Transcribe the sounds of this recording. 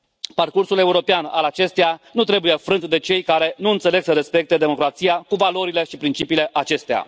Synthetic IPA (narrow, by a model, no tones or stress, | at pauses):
parkursule̞uɾo̞peana̰lat͡ʃe̞st̪ejanut̪ɾe̞buje̞fɾɨnt̪d̪e̞t͡ʃe̞jkaɾe̞nuɨnt̪se̞le̞ɡsəɾe̞spe̞k̚t̪ed̪e̞mo̞kɾat̪sijakuvalo̞ɾile̞ʃipɾint͡ʃipiːle̞ʔat͡ʃe̞st̪ea̰